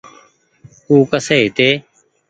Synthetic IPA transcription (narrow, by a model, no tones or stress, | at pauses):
uːkəseːɦɪt̪eː